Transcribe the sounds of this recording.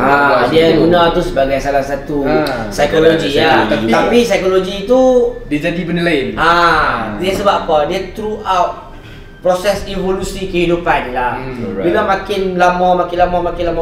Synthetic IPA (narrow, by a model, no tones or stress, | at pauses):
adiaɡunat̪usəbaɡajsalahsat̪u | sajkoloɡiat̪apisajkoloɡit̪udid͡ʒadipənilaɪnʔadiasəbapadiat̪ɾuʔawt̚ | pɾosɛsivolusikəhidupanlahbilamãkɪnlamãmãkɪnlamãmãkɪnlamã